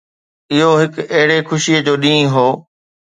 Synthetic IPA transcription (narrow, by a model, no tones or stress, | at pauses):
ɪɦoɦɪkɐɦɪɽexʊʃiəd͡ʑoːɗĩːɦoː